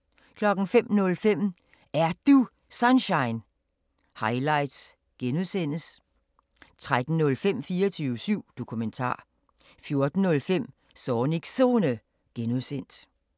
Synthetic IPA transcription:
kʰlɒ̽ɡ̥n̩fem̰nɔ̽lfem̰ | æɐd̥u | sɑnɕɑ̈ɪn | hɑ̈ɪlɑ̈ɪd̥s | ɡ̥enuðˠsen̰əs | t͡sʰʁad̥n̩ːɔ̽lfem̰fiːɐt͡sʰyːʊəsyʊ̰d̥o̝kʰument͡sʰɑ̰̈ː | fjo̝ɐd̥n̩ːɔ̽lfem̰ | sɒːniɡ̥so̝nə | ɡ̥enuðˠsen̰d̥

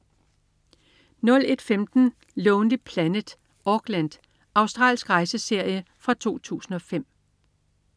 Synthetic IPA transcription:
nɔ̽le̝d̥femd̥n̩ | lɔʊnli̥pʰlænəd̥ | ʔɒɡ̥lænd̥ | ɑ̈ʊsd̥ʁɑ̰̈ːlsɡ̥ʁɑ̈ɪsəse̝ɐ̰jəfʁɑ̈t͡sʰo̝̰ːt͡sʰṵːsn̩ɒ̽fem̰

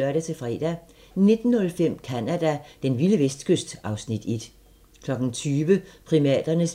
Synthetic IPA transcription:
ɶɐɾ̥æt͡sʰe̝fʁɛ̰ːd̥æ | ne̝d̥n̩ːɔ̽lfem̰kʰænæd̥æd̥enʋiləʋesd̥kʰøsd̥ɑ̈ʊsnid̥ed̥ | kʰlɒ̽ɡ̥n̩t͡sʰyːʋəpʰʁimɛ̰ːd̥ɐnəs

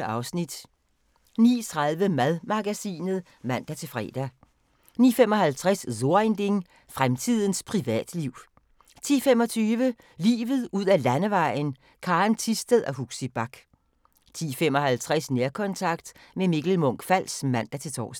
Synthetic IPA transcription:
ɑ̈ʊsnid̥ | niːt͡sʰʁɑðˠʋəmæðˠmɑ̈ɡ̥æsḭːnð̞̩ˠ | mæn̰d̥æt͡sʰe̝lfʁɛ̰ːd̥æ | niːfemɒ̽ɦælt͡sʰʁasso̝ɐend̥e̝ŋ | fʁamt͡sʰið̞ˠən̩spʰʁiʋɛ̰ːd̥liʊ̰ | t͡sʰḭːfemɒ̽t͡sʰyːʋə | lḭːʋð̩ˠuð̞̰ˠælænəʋɑ̈ɪ̰n | kʰɑ̈ːnt͡sʰisd̥əðˠɒɦuɡ̥sib̥ɑ̈ɡ̥ | t͡sʰḭːfem̰ɒ̽hælt͡sʰʁasneɐkʰɒ̽nt͡sʰɑ̈ɡ̥̚d̥memiɡ̥l̩mɔ̽ŋ̰ɡ̥fæl̰smæn̰d̥æt͡sʰe̝lt͡sʰɒ̰ːs

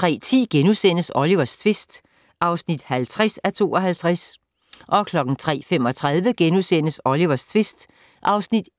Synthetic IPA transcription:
t͡sʰʁɛ̰ːt͡sʰḭːɡ̥enusen̰əsɒ̽liʋɐst͡sʰʋe̝sd̥ | ʔɑ̈ʊsnid̥hælt͡sʰʁasæt͡sʰo̝̰ːɒ̽ɦælt͡sʰʁas | ʔɒ̽kʰlɒ̽ɡ̥n̩t͡sʰʁɛ̰ːfem̰ɒ̽t͡sʰʁað̞ˠʋəɡ̥enusen̰əsɒ̽liʋɐst͡sʰʋe̝sd̥ | ʔɑ̈ʊsnid̥

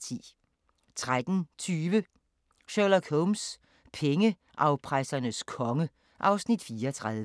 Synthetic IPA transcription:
t͡sʰḭː | t͡sʰʁad̥n̩t͡sʰyːʋə | ʃølɐkʰoʊms | pʰeŋə | ʔɑ̈ʊpʰʁasɐnəskʰɒ̽ŋə | ʔɑ̈ʊsnid̥fiːɐt͡sʰʁaðˠʋə

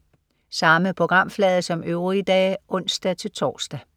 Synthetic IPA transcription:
sɑ̈məpʰʁo̝ɡ̥ʁɑ̈m̰flɛːð̞ˠəsɒ̽møʊʁid̥ɛ̰ːʔɔ̽n̰sd̥æt͡sʰe̝lt͡sʰɒ̰ːsd̥æ

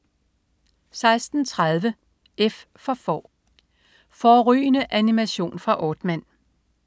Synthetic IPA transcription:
sɑ̈ɪsd̥n̩t͡sʰʁað̞ˠʋə | ef | fɒ̽fɒ̰ː | fɒːʁy̰ːnəʔænimæɕo̝̰ːnfʁɑ̈ʔɒːd̥mæn̰

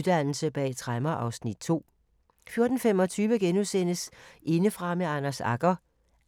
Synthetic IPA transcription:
d̥æn̰l̩səb̥ɛ̰ːt͡sʰʁaɪmɐʔɑ̈ʊsnid̥̚t͡sʰo̝̰ː | fjo̝ɐd̥n̩fem̰ɒ̽t͡sʰyːʋəɡ̥enusen̰əsʔe̝nəfʁɑ̈meɑ̈nɐsɑ̈ɡ̥ɐ

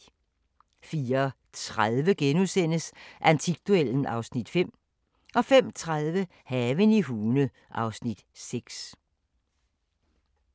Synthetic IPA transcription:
fiːɐ | t͡sʰʁaðˠʋəɡ̥enusen̰əsʔænt͡sʰiɡ̥̚d̥uel̰n̩ɑ̈ʊsnid̥fem̰ | ʔɒ̽fem̰t͡sʰʁaðˠʋə | hɛʋəniɦuːnə | ʔɑ̈ʊsnid̥seɡ̥s

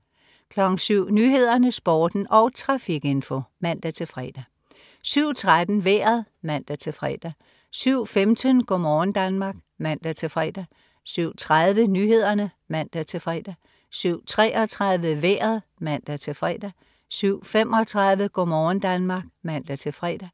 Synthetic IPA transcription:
kʰlɒ̽ɡ̥n̩syʊ̰nyːɦe̝ð̞̰ˠɐnəsb̥ɒːd̥n̩ʔɒ̽ʊt͡sʰʁɑ̈fiɡ̥e̝nfo̝mæn̰d̥æt͡sʰe̝fʁɛ̰ːd̥æ | syʊ̰t͡sʰʁad̥n̩ʋeːɐð̩ˠmæn̰d̥æt͡sʰe̝fʁɛ̰ːd̥æ | syʊ̰femd̥ənɡ̥ɒmɒːnd̥ænmɑ̈ːɡ̥ | mæn̰d̥æt͡sʰe̝fʁɛ̰ːd̥æ | syʊ̰t͡sʰʁaðˠʋənyːhe̝ð̞̰ˠɐnə | mæn̰d̥æt͡sʰe̝fʁɛ̰ːd̥æ | syʊ̰t͡sʰʁɛːʔɒt͡sʰʁaðˠʋəʋḛːɐðˠmæn̰d̥æt͡sʰe̝fʁɛ̰ːd̥æ | syʊ̰fem̰ʔɒ̽t͡sʰʁɑ̈ðˠʋəɡ̥ɔ̰mɒːn̩d̥ænmɑ̈ɡ̥mæn̰d̥æt͡sʰe̝fʁɛːd̥æ

